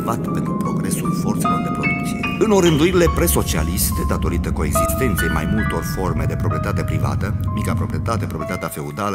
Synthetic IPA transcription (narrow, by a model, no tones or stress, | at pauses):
vat̪pe̞nt̪ɾupɾo̞ɡɾe̞sulfo̞rt̪se̞lo̞rd̪epɾoliit̪t̪t͡ʃieɨnoɾɨnd̪uiɾile̞pɾeso̞t͡ʃia̰list̪e̞d̪at̪o̞ɾit̪əko̞e̞ɡzist̪e̞nt̪sijejmajmult̪o̞rfo̞rme̞d̪e̞pɾopɾie̞t̪at̪e̞pɾiva̰t̪əmikapɾo̞pɾiet̪at̪e̞pɾopɾiet̪at̪eafe̞ud̪alə